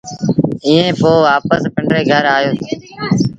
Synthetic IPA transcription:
ĩːẽːpoːʋaːpəspɪɳɖɾeːɡʱəɾaːjoːseː

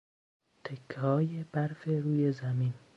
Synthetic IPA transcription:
t̪ʰekʰːɒːjeb̥æɾfe̞ɾuːje̞zæmin

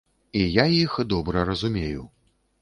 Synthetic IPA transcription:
ijajixd̪ɔbɾɐɾɐzumʲeju

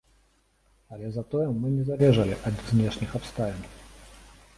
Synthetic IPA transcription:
ɐlʲɛzat̪ɔjɛmːɨnʲɛzavʲɛʐɐlʲiʔɐd̪znʲɛʂnʲixapst̪alʲɛnʲ

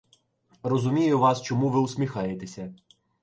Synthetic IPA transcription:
rɔzʊmʲijʊʋɑst͡ʃɔmuʋɪuwsʲmʲixɑjet̪esʲɐ

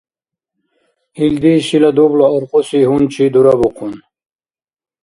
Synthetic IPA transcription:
hild̪iɕilad̪ubloːɾqosiɦunt͡ɕʰid̪uɾabuqʰun

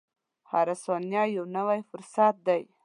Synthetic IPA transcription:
haɾasonjɑjawnəwajfʊɾsat̪̚d̪aj

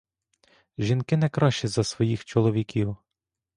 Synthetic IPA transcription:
ʒʲinkɪnɛkɾɑʃt͡ʃɛzɐsʋɔjixt͡ʃɔlˠɔʋʲikʲiw

